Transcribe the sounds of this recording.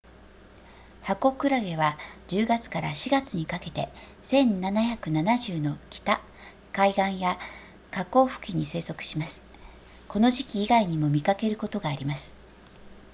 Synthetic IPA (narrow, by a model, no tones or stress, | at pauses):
hako̞kɯ̟ɾaɡe̞βad͡ʑɨːɡat͡sɨ̥kaɾa̰ɕiɡat͡sɨɲ̟ikake̞t̪e̞̰ | sẽ̞nnanaçakɯ̟nanaʑɨːno̞kʲi̥t̪a | kaiɡãɰ̃ja | kako̞ːɸɯ̟̥kʲiɲ̟ise̞ːso̞kɯ̟̥ɕimasɨ̥ | ko̞no̞ʑikʲiːɡaiɲ̟imo̞mʲikake̞ɾɯ̟ko̞t̪o̞ɡaːɾʲimasɨ̥